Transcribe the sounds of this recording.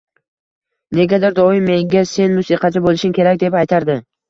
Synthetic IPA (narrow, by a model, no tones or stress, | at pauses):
ne̞ɡʲad̪ɪɾd̪ɒɪmːe̞ŋɡʲase̞nmʊsiqʰɑt͡ʃʰabolˠɪʃɪmkʲʰe̞ɾak̚ʲd̪e̞pajt̪ʰaɾd̪ɪ